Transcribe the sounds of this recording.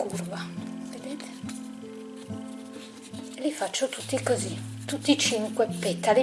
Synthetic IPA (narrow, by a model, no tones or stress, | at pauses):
kurvaved̪eːt̪ʰe̥ | elifat͡ʃːot̪ut̪ːikozit̪ut̪ːit͡ʃiŋkwepːet̪ːali